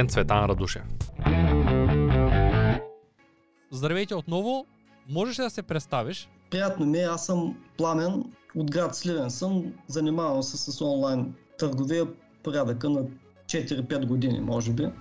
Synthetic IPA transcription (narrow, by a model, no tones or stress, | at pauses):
ɛnsvɛt̪anɾɐd̪uʃɛ̰ | zd̪ɾɐvɛt̪ʲɛot̪nɔvo | mɔʒɛʃd̪ɐsɛpɾɛt̪st̪aviʃ | pɾijat̪nomiɛasəmplˠamɛnod̪ɡɾat̪slʲivɛnsəmzɐnimavɐmsəsɐsɔnlˠajnt̪əɾɡovijə | poɾʲad̪əkənɐ | t͡ʃɛt̪iɾipɛt̪ɡod̪inḭmɔʒɛbi